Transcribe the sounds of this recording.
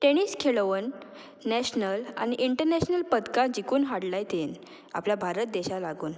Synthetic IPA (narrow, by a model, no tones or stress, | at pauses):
ʈeɽ̃iskʰeɭʋənː | ɛɕnəla̰ñiʔiɳʈəɾnɛɕnəlpəd̪kãd͡ʑikuːnɦaɽlajt̪en | a̰pljabʱaɾət̪̚d̪eɕalaɡuːn